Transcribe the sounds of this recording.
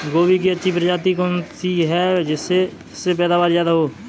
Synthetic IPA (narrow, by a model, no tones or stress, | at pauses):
ɡoːbik̬iɐtːʃʰipɾəd͡ʒaːt̪ikontiɦɛd͡ʒɪsːe | ɪsːepɛːd̪aːbaːɾzjaːd̪aɦoː